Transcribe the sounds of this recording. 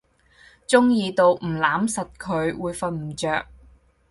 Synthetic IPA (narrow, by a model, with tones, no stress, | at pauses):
t͡sʊ˥ŋjiː˧t̪o˨wm̩˨˩laː˨˥msɐ˨t̚kʰɵ˨˧ɥwuː˨˧jfɐ˧nm̩˨˩t͡ʃœː˨k̚